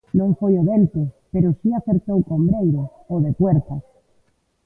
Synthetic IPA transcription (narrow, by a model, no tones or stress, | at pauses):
nõɱfojoβent̪opeɾosiaθeɾt̪owkombɾejɾo | oðepweɾt̪a